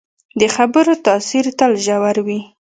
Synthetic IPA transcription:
d̪əxabəɾot̪ɑsiɾt̪alʒawaɾwi

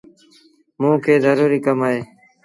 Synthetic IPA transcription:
mũːkʰeːzəɾuːɾiːkəmaːeː

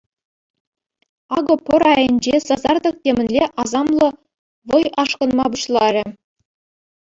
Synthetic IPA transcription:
ɑɡɤ̆pʲɤ̆ɾɑjɤ̆nʲd͡ʑesɑzɑrd̪ɤ̆k̚tʲemʲɘ̆nʲlʲeʔɑzɑmlˠɤ̆ | ʋɤ̆jɑʂkɤ̆nmɑbuɕlˠɑɾʲɘ̆

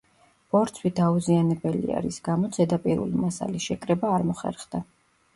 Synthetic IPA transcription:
b̥ɔɾt̪sʰwid̪auzianɛbɛlḭa̰ɾisɡ̥amɔt̪sʰɛd̪apʼiɾṵlimasa̰lisʃɛkʼɾɛbaːɾmɔχɛ̰ɾχd̪a

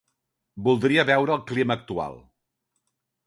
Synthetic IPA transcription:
bulˠd̪ɾiəβɛwɾəːlˠkliməːk̚t̪ua̰lˠ

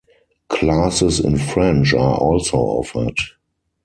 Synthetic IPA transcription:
kʰlasəsɪ̰̃nfɹɛ̃nt͡ʃaʔɔlsoʊɔ̰fə˞t

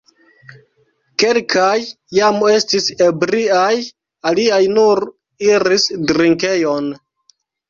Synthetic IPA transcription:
ke̞lkajː | ame̞stise̞bɾiaj | aliajnuɾ | iɾisdɾiŋke̞jon

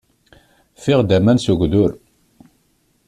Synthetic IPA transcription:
fiʁd̪æmænsuɡʷðʊɾ

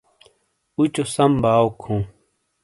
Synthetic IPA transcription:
ut͡ɕosɐmbaːokʰːũː

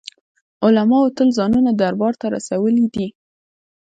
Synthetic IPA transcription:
ʊlamɑot̪əlzɑnunad̪aɾbɑɾt̪aɾa̰sawəlid̪i

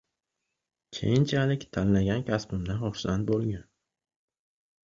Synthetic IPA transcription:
kʲʰḛjɪnt͡ʃʰalɪkʲt̪ʰannaɡʲankʲʰaspɪmd̪aχʊχsant̪̚bolˠɡʲan

